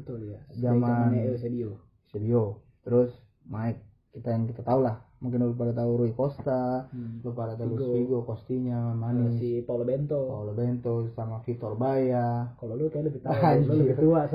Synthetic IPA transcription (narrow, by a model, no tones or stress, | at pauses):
ət̪uljad͡ʒamansɛdiɔ | sɛdiɔ | t̪ɾʊs | maɛk̚ːit̪ajaŋkit̪at̪aulahmuŋkɪnulupadat̪̬auɾuikɔst̪alupadat̪auiɡɔkɔst̪iɲamanisipaulɔbɛnt̪ɔpaulɔbɛnt̪ɔsamafit̪ɔrbajakalolukajaləbit̪lbit̪uas